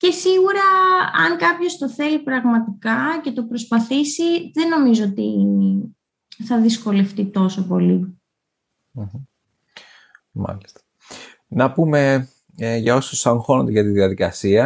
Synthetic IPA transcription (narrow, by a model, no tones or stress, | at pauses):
ce̞siɣuɾɐɐ̰ŋkɐpço̞st̪o̞θe̞lipɾɐɣmɐt̪ikɐce̞t̪o̞pɾo̞spɐθisiðe̞no̞mizoot̪i | θɐðisko̞le̞ft̪it̪o̞sopo̞li | m̩m̩ | mɐ̰list̪ɐ̥ | nɐpume̞ | ʝɐo̞sosɐŋxo̞nond̪eʝɐt̪iðiɐðikɐsiɐ